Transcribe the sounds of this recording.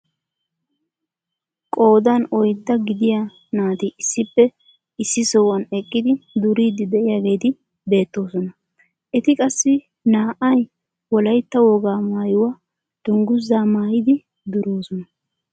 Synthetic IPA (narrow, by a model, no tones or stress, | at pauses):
kʼo̞ːd̪ɐnɔjd̪ːɐɡɪd̪ɪja | naːt̪ɪɪsːɪpːɛ | ɪsːɪsɔwɐnɛkʼːɪd̪ɪd̪ʊɾiːd̪ɪd̪ɛʔɪjaːɡe̞ːt̪ɪ | be̞ːt̪ːo̞ːsɔnɐ | ʔɛt̪ɪkʼɐsːɪ | naːʔɐj | wɔlɐjt̪ːɐwɔɡaːmaːjʊwaː | d̪̥ʊŋɡʊzːaːmaːjɪd̪ɪ | d̪ʊɾoːsɔnɐ